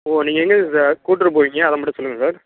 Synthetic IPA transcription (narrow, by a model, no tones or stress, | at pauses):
oːniːŋɡɐŋɡɐskuːʈːɪɾɐp̬oːʋiŋɡɐɐðɐ̃mɐʈːɯ̃sɔlːɯŋɡɐsaːɾ